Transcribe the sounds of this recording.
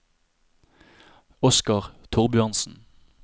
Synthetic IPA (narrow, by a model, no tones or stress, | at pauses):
ɔskɑʁt̪ʰʊʁbʏɑnsn̩